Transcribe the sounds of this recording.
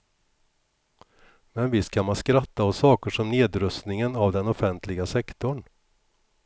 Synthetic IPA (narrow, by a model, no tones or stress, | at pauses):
mɛnvɪst̪kʰamanskɾat̪ːaɔsɑːkəʂɔmneːd̪ɾɵst̪nɪŋənavd̪ɛnɔfɛnt̪ʰlɪɡasɛkt̪ʊɳ